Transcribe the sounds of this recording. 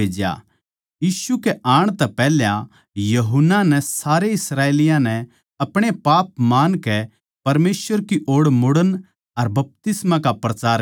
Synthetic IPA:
eːd͡ʒja̰ | jiːʃukeʔaːɽ̃t̪ɛpɛːljã | jɐɦʊnːanɛsaːɾeɪsɾaːeːlɪjãnɛ | ɐpɽ̃epaːp̚maːnkɛ | pɐɾmeːsʋəɾkiʔoːɽmʊɽən | ɐɾbɐp̚t̪ɪsmãkapɾɐt͡ʃaːɾ

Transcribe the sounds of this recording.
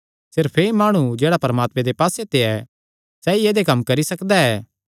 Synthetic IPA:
sɪɾpʰeimaːɽ̃ud͡ʒeːɽapɐɾəmaːt̪mẽd̪epaːset̪eɛ | sɛːieːd̪ekɐmːkɐɾisɐkd̪aɛː

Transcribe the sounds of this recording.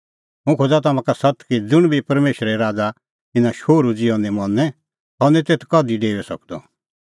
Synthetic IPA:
mũkʰoːd͡zat̪̬ɐmãkasɐt̪kid͡zʊɽ̃bʱipɐɾmeːʃɾɛɾaːd͡za | ɪnãʃoːɾud͡ziɔ̃nɛ̃mɔnːɛ̃ | ɦɔnɛt̪eːt̪ʰkɔd̪iɖeːʋɛsɐ̰kd̪ɔ̰

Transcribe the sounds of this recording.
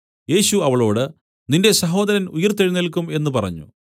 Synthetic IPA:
je̞ːɕuɐʋɐɭo̞ːɽɨ | ninde̞sɐɦo̞ːd̪ɐɾɐnujɐrt̪eɻinilkːume̞nːupɐrɐ̰ɲːṵ

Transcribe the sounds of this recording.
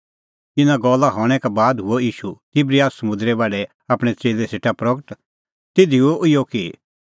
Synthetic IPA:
ɪnãɡɔːlːaɦɔːɽ̃ɛkabaːd̪ɦʊɔiːʃut̪ɪbɾijaːssɐmʊ̃nd̪ɾɛbaːɽɛ | aːpɽ̃ɛt͡seːlɛseːʈapɾɐɡəʈ | t̪ɪd̪ʱioʔɪjɔki

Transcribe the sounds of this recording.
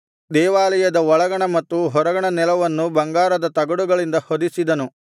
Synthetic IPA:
d̪ɛːʋaːlɐjɐd̪ɐɔɭɐɡɐɳɐmɐt̪ːuɦɔɾɐɡɐɳɐnɛlɐʋɐnːubɐŋɡaːɾɐd̪ɐt̪ɐɡɐɽuɡɐɭind̪ɐhod̪isid̪ɐnu

